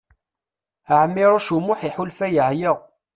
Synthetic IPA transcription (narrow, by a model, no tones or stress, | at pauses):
əʕəmːɪɾˤoʃumʊħiħʊlfæjəhjəʁ